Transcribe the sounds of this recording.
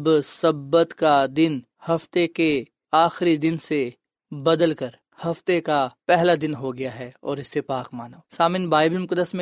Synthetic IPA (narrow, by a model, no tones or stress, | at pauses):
bsɐbːət̪kad̪ɪn | hɐft̪eke | aːxɾid̪ɪnse | bɐd̪əlkɐɾ | hɐft̪ekapɛɦlad̪ɪnɦoɡɐjaɦɛɔːɾɪsːepaːqmaːnasaːmɪnbaːɪblmʊkəd̪əsmẽ